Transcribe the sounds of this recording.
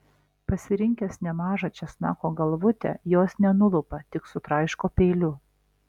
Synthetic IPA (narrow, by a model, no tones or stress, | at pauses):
pɐsʲɪɾʲɪŋʲkʲɛsnʲɛmɑːʒɐt͡ʃʲɛsnɑːkoːɡɐlˠʋʊt̪ʲɛ̰joːsnʲɛnʊlˠʊpɐt̪ʲɪksʊt̪ɾɑɪʃkoːpʲeːlʲʊ